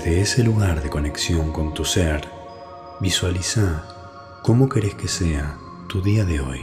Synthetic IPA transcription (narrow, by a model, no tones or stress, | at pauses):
ðeeseluɣaɾðe̞ko̞ne̞ksjo̞ŋko̞nt̪useɾ | βiswalisa | ko̞mo̞keɾeskesea | t̪uðiaðeo̞̰j